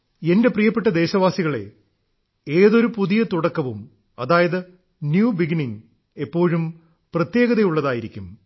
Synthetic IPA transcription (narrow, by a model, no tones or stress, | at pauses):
e̞nde̞prijɐpːe̞ʈ̬ːɐd̪e̞ːɕɐʋaːsiɣɐɭe̞̰ | eːðo̞ɾupuðijɐt̪uɽɐkːɐʋum | ɐðaːjɐðɨ | njuːbiɡiniŋ | e̞pːo̞ːɻum | prɐt̪je̞ːɣɐðejuɭːɐðaːjiɾikʲːum